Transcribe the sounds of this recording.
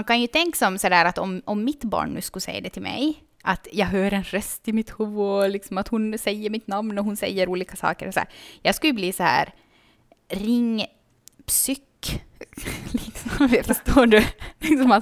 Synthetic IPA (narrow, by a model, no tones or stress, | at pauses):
mankʰanjɵt̪ʰɛŋkasɔmsɔd̪æːɾat̪ɔmɔmːɪt̪bɑ̰ːɳːʉ̟ːskɵlsɛ̰jːa̰d̪ɛt̪ʰɪlmɛ̰j | ʔat̪jɑːɡɦøːɾɛnɾœst̪ɪmɪt̪huːɔlɪksɔmat̪hʊnsɛjːəɾmɪt̪namnɔɦʊnsɛ̰jːəɾuːliːkasɑ̰ːkəɾɔsɔæ̰ːɾjɑːɡskɵljəbliːsɔhæ̰ːɾ | ɾɪŋː | psʏk | lɪksɔmfœʂtoːɖʉlɪksɔma